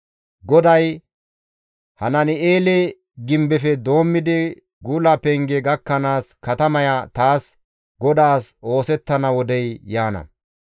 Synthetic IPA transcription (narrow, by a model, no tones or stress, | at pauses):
ɡɔd̪ɐj | hɐnɐnɪeːlɛ | ɡɪmbɛfɛd̪o̞ːmːɪd̪ɪ | ɡulɐpɛŋɡɛɡɐkːɐnaːskɐt̪ɐmɐjat̪aːs | ɡɔd̪aːso̞ːsɛt̪ːɐnɐwɔd̪ɛjjaːnɐ̰